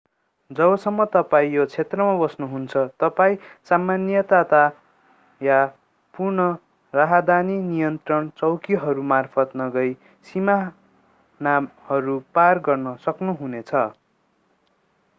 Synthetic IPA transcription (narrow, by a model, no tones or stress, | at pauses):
d͡zʌbʌsʌmːʌt̪ʌpaĩjot͡sʰet̪rʌmabʌsnuɦunt͡sʰʌt̪ʌpaĩsamːanjʌt̪at̪a | ja | purɳʌ | raɦad̪aninijʌnt̪rʌnt͡sʌwkiɦʌɾumarpʰʌt̪nʌɡʌj | sima | namhʌɾuparɡʌrnʌsʌknuɦunet͡sʰʌ